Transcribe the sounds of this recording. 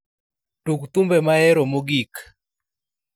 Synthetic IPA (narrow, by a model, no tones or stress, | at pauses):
tukt̪umbɛmaɛɾomoɡik